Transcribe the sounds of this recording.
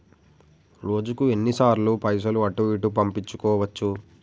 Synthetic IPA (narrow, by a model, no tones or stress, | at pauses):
ɾo̞ːd͡ʒukue̞nːisaːɾlupɐjs̬ɐluɐʈuʋiːʈupɐmpit͡ʃːu̥kɔːʋɐt͡ʃːu